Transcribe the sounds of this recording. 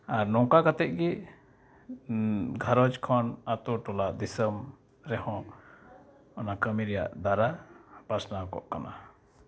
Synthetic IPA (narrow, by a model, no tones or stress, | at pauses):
aɾnɔŋkakat̪ɛʔ̪̚ˀɡi | ɡʱaɾɔt͡ʃkʰɔnat̪uʈɔlaʔd̪isəm | ɾɛhɔ̃ | ɔnakəmiɾɛja̰ʔd̪aɾapasnakɔ̰ʔkana̰